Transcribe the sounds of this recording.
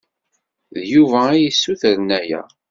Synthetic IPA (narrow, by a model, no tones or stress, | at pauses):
ðjuvæijisːuθəɾnæjæ̰